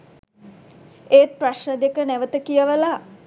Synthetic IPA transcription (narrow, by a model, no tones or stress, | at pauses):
eːt̪̚praʃnəd̪ekənɛʋət̪əkijəʋəla